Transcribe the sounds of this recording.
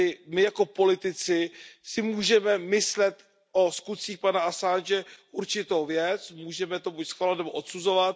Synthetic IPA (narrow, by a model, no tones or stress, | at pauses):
ɪmɪjako̞po̞lɪt̪ɪt͡sɪsɪmuːʒɛmɛmɪslɛt̪ | ʔo̞skut̪t͡siːxpanaasanʒɛʔuɾt͡ʃɪt̪o̞wvjɛt͡smuːʒɛmɛt̪obucsxalat̪nɛboʔot̪suzo̞vat̪̚